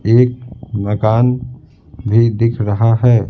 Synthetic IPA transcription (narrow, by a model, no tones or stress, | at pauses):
eːk̚mɐkaːn | bʱid̪ɪkʰɾɐɦaɦɛː